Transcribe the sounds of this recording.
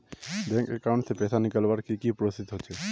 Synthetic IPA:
d̪ɛ̃ŋkɛ̰kaw̃ɳʈsʰepɛsʰanikəlʋaɾkikipɾost̪it̪ɦot͡ʃʰe

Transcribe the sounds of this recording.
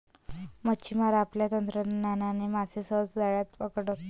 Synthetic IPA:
mət͡ɕʰimaɾaːpljat̪ənt̪ɾənananimasesət͡sd͡zaɭjat̪pəkɽək

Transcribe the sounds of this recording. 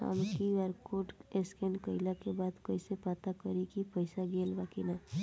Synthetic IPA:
a̰mkiaɾkoʈeskenkəɪlakebaːd̪kəisepaːt̪akəɾikipəɪsaɡeːlbaːkina

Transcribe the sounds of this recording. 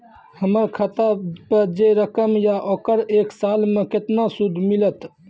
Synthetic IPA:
həməɾkʰət̪apəd͡ʒeɾəkəmjaʔokəɾeksalmẽket̪nasud̪ʱmilət̪

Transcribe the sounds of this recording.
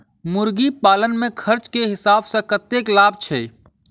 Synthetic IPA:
mʊɾɡipaːlənmẽkʰəɾt͡ʃkeɦɪsaːbsẽkət̪ːeːklaːbt͡ʃʰeː

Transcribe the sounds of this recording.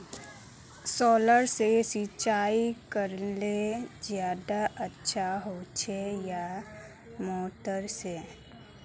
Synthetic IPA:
sɔːləɾsesit͡ʃaːikəɾlezjaːd̪aʔətːʃʰaɦot͡ʃʰeja | moːʈəɾse

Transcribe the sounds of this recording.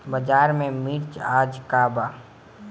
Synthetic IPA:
bəd͡ʒaːɾmẽmiɾt͡ʃaːd͡ʒkaːbaː

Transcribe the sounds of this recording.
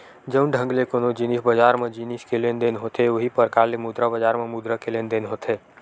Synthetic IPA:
d͡ʒəʊnɖʱə̃ŋɡlekonod͡ʒinisbəd͡ʒaɾmed͡ʒiniskelend̪enɦot̪ʰeoɦipəɾkaɾlemud̪ɾabəd͡ʒaɾmemud̪ɾəkelend̪enɦot̪ʰe

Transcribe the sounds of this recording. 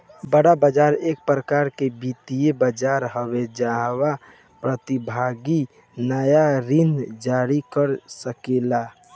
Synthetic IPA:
bəɽabəd͡ʒaːɾeːk̚pɾəkaːɾkebit̪ijebəd͡ʒaːɾɦəwed͡ʒaɦwa | pɾət̪ibʱaɡi | nəjaɾind͡ʒaɾikəɾsəkela

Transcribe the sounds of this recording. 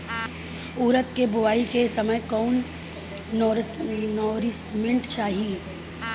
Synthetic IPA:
uːɾət̪kebʊʋaːikesɐməjkɔːn | nɔːɾɪsmẽɳʈt͡ʃaːɦi

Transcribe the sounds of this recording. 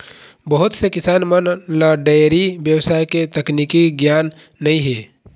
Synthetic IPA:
bəɦʊt̪sekɪsaːnmənlaɖaɾibjəwsaːjket̪ɐkniːkiɡjaːnː | ɐɦĩɦeː

